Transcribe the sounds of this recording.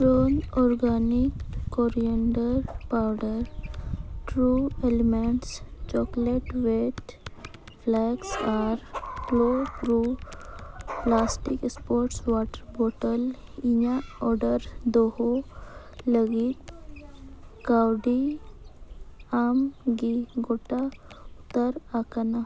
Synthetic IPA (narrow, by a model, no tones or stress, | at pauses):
kɾonɔɾɡanikːɔɾiəɳɖəɾpawɖəɾ | ʈɾuelemeɳʈst͡ʃɔkleʈʋeʈ | flɛɡsaɾklopɾu | plasʈikspɔɾʈsʋaʈəɾboʈəliɲaɔɾɖəɾd̪oho | ləɡit̪ | kawɖi | amɡiɡoʈaut̪əɾakana